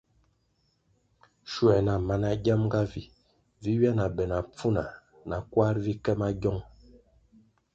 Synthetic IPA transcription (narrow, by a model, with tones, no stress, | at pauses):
ʃu˨ɛ˨na˨ma˨na˨ɡa˦m˦ɡa˦vi˨ | vi˦wɥja˦na˨bɛ˨na˨p͡fu˦na̰˨ | na˨kwa˦ɾvi˦kɛ˦ma˦ɟɔ˦ŋ